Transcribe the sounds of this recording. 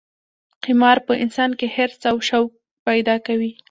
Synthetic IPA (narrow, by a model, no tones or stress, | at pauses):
qimɑɾpəʔɪnsɑnkeheɾsawʃawk̚ | pajd̪ɑkawi